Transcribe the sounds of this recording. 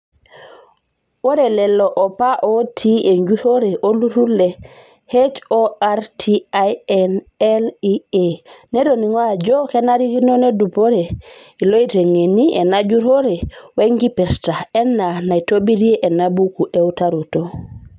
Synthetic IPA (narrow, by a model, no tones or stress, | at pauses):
wɔɾɛlɛlːɔʔɔpaʔotʰiɛɲd͡ʒuɾoɾɛʔoluɾulːɛ | het͡ʃɔaɾtʰiajɛn | ɛliɛnɛdoniŋwad͡ʒɔkɛnaɾikinɔnedupɔɾɛilojteŋeniʔɛnad͡ʒuɾɔɾɛweŋɡipɛɾtaɛnːanajtobidiɛʔɛnabukuʔɛwtaɾɔtɔ